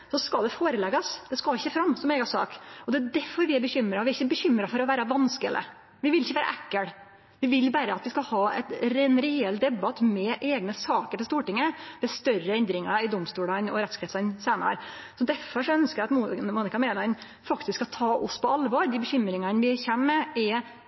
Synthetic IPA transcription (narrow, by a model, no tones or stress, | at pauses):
sɔskɑld̪ɛfoːɾəlɛɡɑsd̪̥ɛskɑlɪçːəfɾɑmːsɔmeːɡɑsɑ̰ːkɔd̪ɛæd̪æɾfɔɾʋɪæɾbəçʏmːɾɑʋɪæɾɪçːəbəçʏmːɾɑfɔɾɔʋæːɾəʋɑnskə̰lə̰ | ʋɪʋɪlɪçːəʋæːɾɑ̰ʔækːəɽ | ʋɪʋɪlbæːɾəɑt̪ʋɪskɑlhɑːɛ̰t̪ɾɛnɾɪɛld̪ɛbɑt̪mɛʔeːɡnəsɑːkəɾpɔst̪uːʈɪŋːəmɛst̪œrəɛnd̪ɾɪŋɑɪd̪ʊmst̪uːɽɑnɔɾɛt̪sklɛːt̪sɑnseːnə̰ɾsɔd̪æɾfɔʂɔœnskəæɑt̪mmuːnɪkɑmeːlɑn | fɑkt̪ɪskːɑt̪ʰɑːʔʊspʰɔɑlʋoːɾd̪ɪbəçʏmːɾɪŋɑnʋɪçɛnːɛɛ